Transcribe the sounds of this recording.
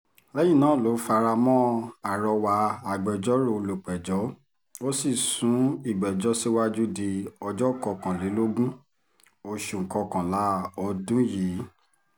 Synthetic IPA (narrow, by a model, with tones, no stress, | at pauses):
lɛ˦jĩ˦˨nãː˨˦˨lo˨˦fa˧ɾa˧mɔ̃˦a˨ɾɔ˧wa˧˦a˨ɡ͡bɛ˨d͡ʒɔ˦ɾo˦˨lo˨k͡pɛ˨d͡ʒɔ˨˦ | o˦si˦˨sũ˨˦i˦˨ɡ͡bɛ˨d͡ʒɔ˦si˦wa˦d͡ʒu˦di˧ɔ˧d͡ʒɔ˦˨kɔ˧kã˨li˨˦lo˦ɡũ˦ | o˧ʃu˨˧˨ŋ̩˨kɔ̃˧kã˨la˨˦ɔ˧dũ˦jiː˨˦